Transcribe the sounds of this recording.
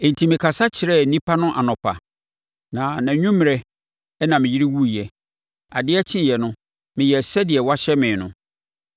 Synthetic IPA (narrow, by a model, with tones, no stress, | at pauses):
n̩˨tʰi˨mɪ̃˨kʰa˨sa˦t͡ɕʰɪ˨ɾɛ˦˨˦nĩ˦pʰa˦nʊ̃˦ʔa˨nɔ̃˨pʰa̰˨ | nã˨nã˨ɲᶣũ˦m̃˨ɾɛ˨˦ | nã˨mɪ̃˨ji˦ɾi˦wu˦jɛ˨ | a˨dɪ˦ɛ˦t͡ɕʰɪ̃˦jɛ˨nʊ̃˦ | mɪ̃˨jɛ˨sɛ˦dɪ˨ɛ˨wa˦ɕɛ˦mɪ̃˨nʊ̰̃˨